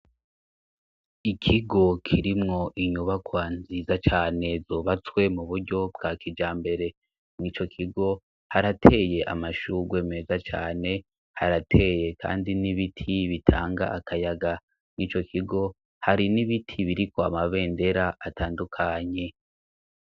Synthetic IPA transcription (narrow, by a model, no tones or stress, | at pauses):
ikʰiɡo̞kʰiɾimŋo̞ʔiɲuβakwaːnziːzat͡ʃaːne̞zo̞ːβat͡swe̞muβuɾɟo̞bɡaːkid͡ʒaːmbe̞ɾe̞ | mŋit͡ʃo̞kʰiɡo̞ | haɾatʰe̞ːje̞ʔa̰maʃuɡwe̞ːme̞ːzat͡ʃa̰ːne̞ | haɾatʰe̞ːje̞kʰa̰ːndiniβitʰiβitʰaːŋɡa̰ʔakʰajaɡa | mŋit͡ʃo̞kʰiɡo̞ | haɾiniβitʰiβiɾikoa̰maβe̞ːnde̞ɾaʔataːndukʰaɲe̞